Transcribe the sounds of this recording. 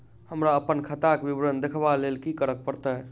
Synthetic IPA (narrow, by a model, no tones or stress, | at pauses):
həmɾaəpənkʰət̪akbibɾənd̪ekʰbalelkikəɾək̚pəɾt̪əɦ